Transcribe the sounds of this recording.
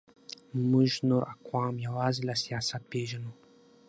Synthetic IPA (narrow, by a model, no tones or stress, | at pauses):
mɨʒnuɾʔakʷʰaːmjawazilasjasapeʒanu